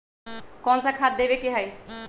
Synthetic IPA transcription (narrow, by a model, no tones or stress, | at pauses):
kɔnsakʰad̪̚d̪ebekeɦaj